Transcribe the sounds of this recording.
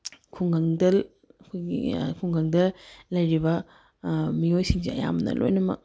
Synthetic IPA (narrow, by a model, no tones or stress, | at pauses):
kʰuŋɡɐŋdɐl | ɐkʰojɡḭkʰuŋɡɐŋdɐlɐjɾibɐ | miojsiŋsiɐ̰ja̰mnɐ̰lo̰jnɐmɐ̰k̚